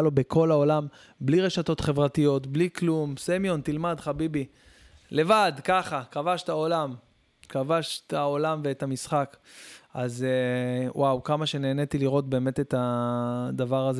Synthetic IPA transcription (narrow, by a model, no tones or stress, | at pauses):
lo̞be̞kʰo̞lao̞lam | bliʁe̞ʃato̞tχe̞vʁatijo̞tbliklumsemjo̞nt̪ilmadχabibi | le̞vad̪kaχakavaʃtao̞lam | kavaʃtaolamveethamisχakaz | wʔawkamaʃe̞ne̞ːne̞t̪iliʁo̞t̚be̞ːme̞t̪et̪a | d̪avaʁaz